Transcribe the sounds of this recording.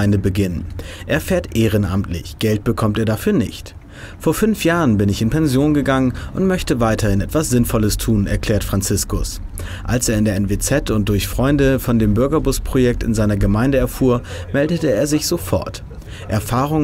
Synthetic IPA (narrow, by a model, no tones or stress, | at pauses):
ɪndəbəɡɪnənʔɛːɐfɛːɐtʔeːʁ̞ənʔa̰mtʰlɪ̰çɡ̥ɛlt̚b̥əkʰɔmteːɐdafyːɐnɪ̰çt | foːɐfʏnfjaːʁənbɪnɪçɪnpʰɛnzjoːnɡəɡaŋənʔʊntmœçtəvaɪtʰɐhɪnʔɛtv̥asz̥ɪnfɔləstʰuːnɛ̰ɐkʰl̥ɛːɐtfʁ̥ant͡sɪskʊs | ʔalseːɐɪndeːɐɛnvet͡sɛtʊnt̚d̥ʊɐçfʁ̥ɔʏndəfɔndeːmbʏɐɡɐbʊspʁ̥ojɛk̚tɪ̰nzaɪnɐɡəmaɪndəɛɐfuːɐmɛldətəeːɐzɪçz̥ofɔ̰ɐt | ʔɛɐfaːʁ̞ʊŋ